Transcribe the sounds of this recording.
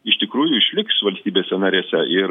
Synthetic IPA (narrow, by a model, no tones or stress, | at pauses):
ɪʃt̪ʲɪkɾuːjʊɪʃʲlʲɪksʋɐlʲsʲt̪ʲiːbʲeːsʲɛnɐɾʲeːsʲɛʔɪ